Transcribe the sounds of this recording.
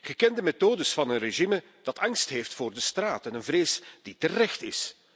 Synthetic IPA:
ɣəkɛndəmetoːdəsfɑnənreʒimə | d̥ɑtɑŋstɦeːftfʊːrdəstraːtɛnənvreːsd̥itərɛxtɪs

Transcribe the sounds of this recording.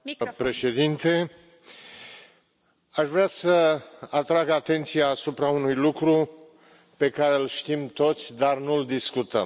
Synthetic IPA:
pɾe̞ʃe̞d̪int̪e̞ | aʃvɾeasəat̪ɾaɡat̪e̞nt̪sijaːsupɾaunujlukɾu | pe̞kaɾelʃt̪imt̪o̞t̪sʲd̪arnuld̪iskut̪ə̰m

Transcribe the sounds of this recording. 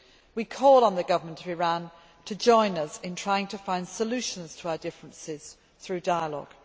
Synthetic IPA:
wikʰɔːlˠə̃nðəɡʌvəmə̃ntʰəvɪɹãn | tʰəd͡ʒɔ̃ɪ̃nəzɪ̃ntʰɹ̥aɪɪ̃ŋtʰəfãɪ̃nd̥səlʉˑʃə̃nz̥tʰəaʊədɪfɹə̃nsɪz̥ | θɹʉːdaɪəlɒ̰ɡ̥

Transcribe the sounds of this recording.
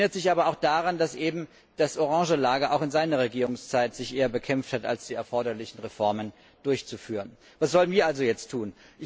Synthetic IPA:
nɐtz̥ɪçʔaːbɐaʊxd̥aʁandasʔeːbm̩ | d̥asʔoʁɑ̃ŋʒəlaːɡɐʔaʊxɪnzaɪnɐʁeɡiːʁʊŋst͡saɪtz̥ɪçʔeːɐbəkʰɛmfthata̰lsd̥iːɛɐfɔɐɾɐlɪçn̩ʁefɔɐmən | d̥ʊɐçt͡sufyːʁən | vasz̥ɔlənviːɐʔalzojɛt͡stʰːuːnʔɪ

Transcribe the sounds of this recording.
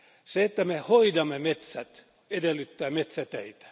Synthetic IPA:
seet̪ːæmehoidɑmːemet̪sæt̪ | edelːyt̪ːæːmet̪sæt̪æit̪æ̥

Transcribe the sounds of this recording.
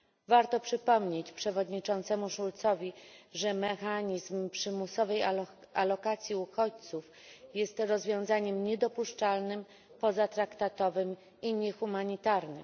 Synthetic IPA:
vaɾt̪ɔpʂɘpɔmɲet͡ɕpʂɛvɔd̪ɲit͡ʂɔ̃nt̪sɛmuʂult̪sɔvʲiʐɛmɛxaɲizmpʂɘmusɔvɛj | alɔkat̪sʲjiuxɔt͡ɕt̪suf | jɛst̪ɾɔzvʲjɔ̃w̃zaɲɛmɲɛd̪ɔpuʂt͡ʂalnɘm | pɔzat̪ɾakt̪at̪ɔvɘm | iɲɛxumaɲit̪aɾnɘ̰m

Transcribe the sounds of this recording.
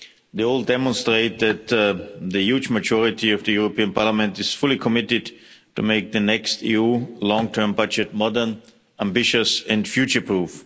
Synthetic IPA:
ðeɪɔlˠdɛmɔ̃nstɹeɪt̪̚ðɨt̪ðɨjud͡ʒməd͡ʒɔɹɪtiʌvðɨjuɹopiə̃npʰɑɹləmɛ̃ntɨz̥fʊlˠikʰɔmɪtɪdtʰumeɪk̚ðɨnɛkstḭulɔ̃ŋtʰɜ̃˞mbʌd͡ʒɨt̚mɔdə˞n | æ̃mbɪʃɨsɛ̃ndfjʉt͡ʃə˞pʰɹuf

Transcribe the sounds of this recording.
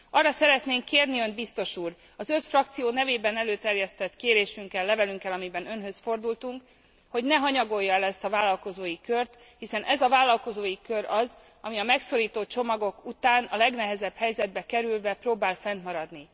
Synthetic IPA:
ɒrːɒsɛɾɛt̪neːŋkːeːrniønd̪̚bist̪o̞ʃuːr | ɒzø̞t̪frɒk̚t̪sijoːnɛveːbɛnɛløːt̪ɛrjɛst̪ɛt̪keːɾeːʃyŋkɛlːɛvɛlyŋkɛlɒmibɛnø̞nɦø̞sfo̞rd̪ult̪uŋk | ho̞ɟnɛɦɒɲɒɡo̞jːɒɛlɛst̪ɒvaːlːɒlko̞zoːjikørt̪ | hisɛnʔɛzɒvaːlːɒlko̞zoːjikø̞ɾɒz | ɒmiɒmɛksoɾiːt̪ot͡ʃo̞mɒɡo̞kut̪aːnɒlɛɡnɛɦɛzɛbhɛjzɛd̪̚bɛkɛɾylvɛproːbaːlfɛnt̪mɒɾɒd̪ni

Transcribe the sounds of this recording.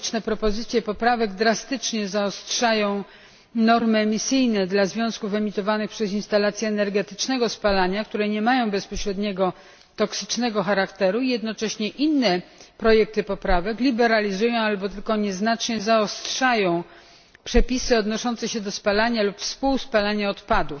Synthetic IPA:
t͡ʂnɛpɾɔpɔzɘt̪sʲjɛpɔpɾavɛɡd̪ɾast̪ɘt͡ʂɲɛzaɔstʂajɔ̃w̃ | nɔɾmɘɛmʲisɘjnɛd̪lazvʲjɔ̃w̃skufɛmʲit̪ɔvanɘxpʂɛzinst̪alat̪sʲjɛːnɛɾɡɛt̪ɘ̥t͡ʂnɛɡɔspalaɲakt̪uɾɛɲɛmajɔ̃w̃bɛspɔɕɾɛd̪ɲɛɡɔ | t̪ɔksɘ̥t͡ʂnɛɡɔxaɾakt̪ɛɾuijɛd̪nɔt͡ʂɛɕɲɛʔinːɛpɾɔjɛk̚t̪ɘpɔpɾavɛklʲibɛɾalʲizujɔ̃w̃albɔt̪ɘlkɔɲɛznat͡ʂɲɛzaɔstʂajɔ̃w̃ | pʂɛpʲisɘɔd̪nɔʂɔnt̪sɛɕɛd̪ɔspalaɲalupfspuwspalaɲaɔt̪pad̪uf

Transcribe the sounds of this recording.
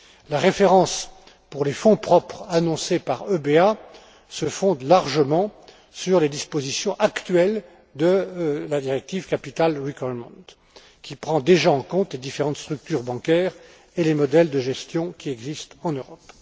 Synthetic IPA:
laʁefeʁɑ̃s | puʁlefɔ̃pχɔpχanɔ̃sepaʁøbea | səfɔ̃d̪laʁʒəmɑ̃ | syʁled̪ispozisjɔ̃ʔakt̪ɥɛl | d̪əlad̪iʁɛk̚t̪ivkapit̪alʁikwamɑ̰̃t̪ | kʲipχɑ̃d̪eʒaɑ̃kɔ̃t̪led̪ifeʁɑ̃t̪st̪χyk̚t̪yʁbɑ̃kʲɛːʁ | elemɔd̪ɛld̪əʒɛst̪jɔ̃kʲiɛɡzist̪ɑ̃nøʁɔp

